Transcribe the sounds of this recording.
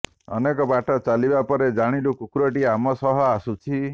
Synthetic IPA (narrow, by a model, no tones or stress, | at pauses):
ɔ̰nekɔbaʈɔt͡ʃalibapɔɾed͡ʒaɽ̃ilukukuɾɔʈiamɔsɔɦɔasut͡ʃʰi